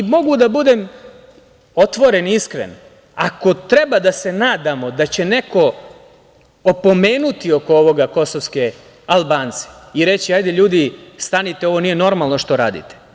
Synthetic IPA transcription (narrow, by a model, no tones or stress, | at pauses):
mo̞ɡud̪abud̪e̞ːm | o̞t̪ʋo̞ɾe̞niskɾḛn | ako̞t̪ɾe̞bad̪ase̞naːd̪amo̞d̪at͡ɕe̞ne̞ko̞ | opo̞me̞ːnut̪io̞kooʋo̞ɡako̞soʋske | alˠbaːnt̪se̥iɾe̞t͡ɕiajd̪eʎuːd̪ist̪anit̪eo̞ʋo̞nije̞no̞ɾmalˠno̞ʃt̪o̞ɾaːd̪ḭt̪e̥